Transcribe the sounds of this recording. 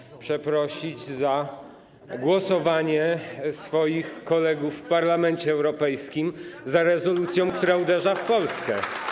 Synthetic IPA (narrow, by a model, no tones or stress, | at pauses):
pʂɛpɾɔɕid͡ʑza | ɡwɔsɔvaɲɛsfɔjixkɔlɛɡufːpaɾlamɛnt͡ɕɛːwɾɔpɛjskʲimzaɾɛzɔlut̪sʲjɔ̃w̃kt̪uɾaud̪ɛʐafpɔlskɛ